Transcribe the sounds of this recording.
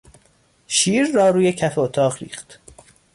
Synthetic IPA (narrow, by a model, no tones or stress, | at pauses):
ʃiːɾːɒːɾuːje̞cʰæfeot̪ʰɒːʁɾḭːχt̪